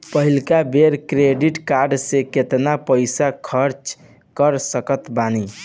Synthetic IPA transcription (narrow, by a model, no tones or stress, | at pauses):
pəɦilkabeɾkɾeɖiʈkaɾɖseket̪napəjsakʰəɾt͡ʃ | kəɾsəkət̪bani